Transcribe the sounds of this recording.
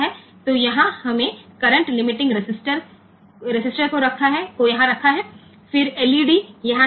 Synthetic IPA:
ɦɛː | t̪ojɐɦãhɐmẽkɐɾə̃ɳʈlɪmɪʈɪ̃ŋɡɾɪsɪsʈəɾ | ɾɪsɪsʈəɾkoɾɐkʰaɦɛkojɐɦãɾɐkʰaɦɛː | fɪɾɛːliːɖijɐɦã

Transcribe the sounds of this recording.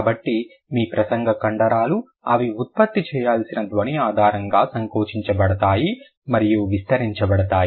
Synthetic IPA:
kːbɐʈːi | miːpɾɐsɐŋɡɐkɐɳɖɐɾaːlu | ɐʋiut̪̚pɐt̪ːit͡ʃɛːjaːlsinɐd̪ʋɐɳiaːd̪ʱaːɾɐŋɡaːsɐŋkoːʂiɲt͡ʃɐbɐɽɐt̪aːji | mɐɾijuʋist̪ɐɾiɲt͡ʃɐbɐɽɐt̪aːji

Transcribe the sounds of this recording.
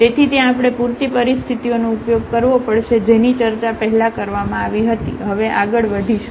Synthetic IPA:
t̪et̪ʰit̪jãːpɽ̃epuɾt̪ipəɾist̪ʰit̪ionoupjoɡ̚kəɾʋopəɽʃed͡ʒenit͡ʃəɾt͡ʃapəɦɛlakəɾʋamãaʋiɦət̪ḭɦəʋeʔaɡəɭʋəd̪ʱiʃ

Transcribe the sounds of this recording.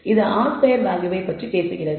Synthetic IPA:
ɪðɯʔaːspɐjɐɾʋaːŋɡɯʋɐɪpɐʈripeːsɯɣɪrɐð

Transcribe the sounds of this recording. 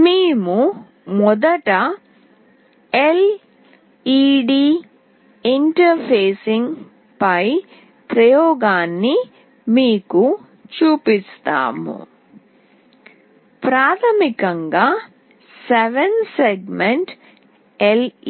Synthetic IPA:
miːmu | mɔd̪ɐʈɐ | el | iːɖiː | iɳʈɐɾpʰeːsiŋ | pɐj | pɾɐjɔːɡaːnːi | miːku | t͡ʃuːpist̪a̰ːmṵ | pɾaːt̪ʰɐmikɐŋɡaː | seʋenseɡmeɳʈ | el

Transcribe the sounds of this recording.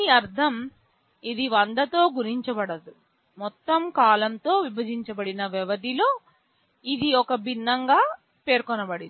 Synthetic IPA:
iɐɾd̪ʰʱɐm | id̪iʋɐnd̪ɐt̪o̞ːɡuɾiɲt͡ʃɐbɐɽɐd̪u | mɔt̪ːɐmkaːlɐnt̪o̞ːʋibɐd͡ʒiɲt͡ʃɐbɐɽinɐʋɛʋɐd̪ilo̞ː | id̪iɔkɐbʱinːɐŋɡaː | pe̞ːɾkɔnɐbɐɽi

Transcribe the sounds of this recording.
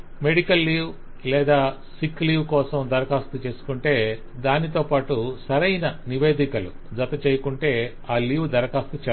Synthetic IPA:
me̞ɽikɐlːiːw | lɛːd̪aː | sikːliːʋkɔːsɐmd̪ɐɾɐkaːst̪ut͡ʃe̞ːsu̥kuɳʈe̞ː | d̪aːnit̪o̞ːpaːʈusɐɾɐjnɐniʋe̞ːd̪ikɐlu | d͡zɐt̪ɐt͡ʃeːjɐkuɳʈe̞ː | aːliːʋd̪ɐɾɐkaːst̪ut͡ʃɛ

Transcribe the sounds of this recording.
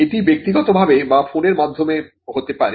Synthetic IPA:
eʈibek̚t̪iɡɔt̪obʱabemafoneɾmad̪ʱːome | ɦot̪epaɾe

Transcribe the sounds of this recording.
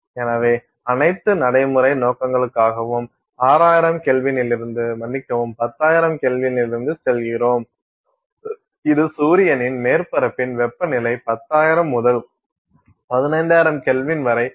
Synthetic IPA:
eːnaːʋeː | ɐnɐɪt̪ːɯnɐɽɐɪmɯɾɐɪnoːkːɐŋɡɐɭɯkːaːɣɐʋɯm | aːɾaːjɪɾɐmkɛlʋɪnɪlɪɾɯnd̪ɯmɐnːɪkːɐʋɯmpɐt̪ːaːjɪɾɐmkeːlʋɪnɪlɪɾɯnd̪ɯsɛlɣɪɾoːm | ɪðɯsuːɾɪjɐnɪnmeːɾpɐɾɐpːɪnʋɛpːɐnɪlɐɪpɐt̪ːaːjɪɾɐmːʊðɐl | pɐðɪnɐɪnɖ̪aːɪɾɐmkɛlʋɪnʋɐɾɐɪ

